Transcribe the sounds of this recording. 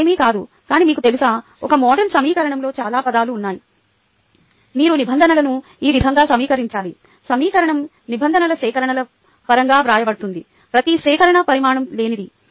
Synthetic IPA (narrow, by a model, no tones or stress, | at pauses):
emikaːd̪u | kaːniːmiːkut̪e̞lusɐ | ɔkɐmɔːɖɐɾnsɐmiːkɐɾɐɳɐmlo̞ːt͡ʃaːlaːpɐd̪aːluːnːaːji | miːɾunibʱɐnd̪ʱɐnɐlɐnuiːʋid̪ʱɐŋɡaːsɐmiːkɐɾiɲt͡ʃaːli | sɐmiːkɐɾɐɳɐm | nibʱɐnd̪ɐnɐlɐsɛːkɐɾɐɳɐlɐ | pɐɾɐŋɡaːpɾaːjɐbɐɽut̪und̪i | pɾɐt̪iʃɛːkɐɾɐɳɐpɐɾimaːɳɐmle̞ːnid̪i